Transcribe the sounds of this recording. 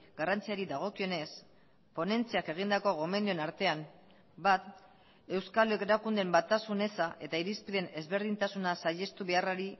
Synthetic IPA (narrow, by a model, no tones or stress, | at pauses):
ɡ̥arant͡siaɾiðaɣ̞o̞kio̞ne̞s | po̞ne̞nt͡siake̞ɣind̪ako̞ɣo̞me̞nd̪ioenaɾt̪e̞am | bat̪ | e̞wskalekeɾakund̪e̞mbat̪asune̞saʔe̞t̪aiɾispiðe̞ne̞zβe̞ɾð̞int̪asunasaʎe̞st̪uβe̞araɾi